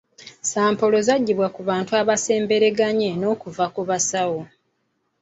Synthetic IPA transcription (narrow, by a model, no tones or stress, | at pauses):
saːmpo̞lo̞zaɟːiβwakuβaːntuaβase̞ːmbe̞ɾe̞ɡaɲeno̞ːkuvakuβasawo̞